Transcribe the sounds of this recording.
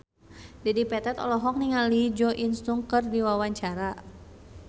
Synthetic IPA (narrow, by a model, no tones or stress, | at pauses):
dɛdipɛt̪ɛt̪ɔ̰lɔɦɔk̚niŋalid͡ʒɔʔinst̪uŋkɨrdiwawaɲt͡ʃaɾa